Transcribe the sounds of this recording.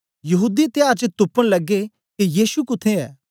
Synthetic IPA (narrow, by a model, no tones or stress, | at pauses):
jɐɦuːd̪it̪ɪjaːɾt͡ʃət̪ʊpːəɽ̃lɐɡːe | kijiːsukʊt̪ʰːeɛ̰ː